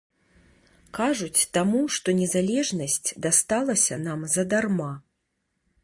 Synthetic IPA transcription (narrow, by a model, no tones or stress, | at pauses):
kaʐut͡sʲt̪amuʂt̪ɔnʲɛzalʲɛʐnɐsʲt͡sʲd̪ast̪alˠɐsʲɐnamzɐd̪arma